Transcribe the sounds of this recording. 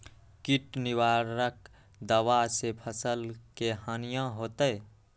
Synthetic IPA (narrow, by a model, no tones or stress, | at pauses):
kiʈniwaɾək | d̪əwasepʰəsəlkehənijãɦot̪əe